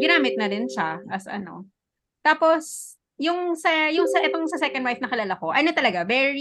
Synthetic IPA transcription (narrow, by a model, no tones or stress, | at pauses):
ɡɪnaːmɪt̪̚nɐɾɪnʃaʔɐsʔɐ̰no̞̰ | t̪aːpos | jʊŋsɐjʊŋsɐʔɛt̪oŋsɐsɛkɐnd̪wajfnɐkɪlaːlako̞ʔɐnot̪ɐlɐɡavɛɹi